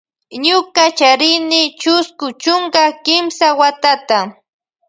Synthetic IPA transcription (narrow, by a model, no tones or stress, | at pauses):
ɲʊkat͡ʃaɾɪnɪt͡ʃʊskʊt͡ʃʊŋkakɪmsawat̪at̪a